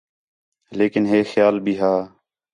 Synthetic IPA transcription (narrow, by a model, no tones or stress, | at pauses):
leːkɪnɦeːxjaːlbʱiːɦaː